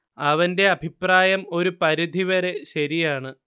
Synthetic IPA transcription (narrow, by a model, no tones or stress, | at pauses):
ɐʋɐnde̞ɐbʱipraːjɐmo̞ɾupɐɾid̪ʱiʋɐɾe̞ɕɐɾijaːɳɨ